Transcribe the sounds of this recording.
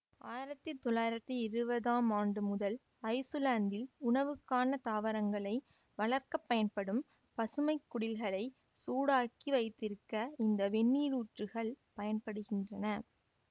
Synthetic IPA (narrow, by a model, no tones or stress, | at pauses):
aːjɪɾɐt̪ːɯt̪ːɔɭːaːjɪɾɐt̪ːɯɪɾɯbɐðaːmaːɳɖɯmʊðɐl | ɐɪsɯlaːnd̪ɪlʊɳɐʋɯkːaːnɐt̪aːʋɐɾɐŋɡɐɭɐɪ | ʋɐɭɐrkɐpːɐjɐnpɐɽɯm | pɐsɯmɐɪkːʊɽɪlɣɐɭɐɪ | suːɽaːkiʋɐɪt̪ːɪɾɯkːɐɪnd̪ɐʋɛɳːiːɾuːʈrɯɣɐɭ | pɐjɐnpɐɽɯɣɪndrɐnɐ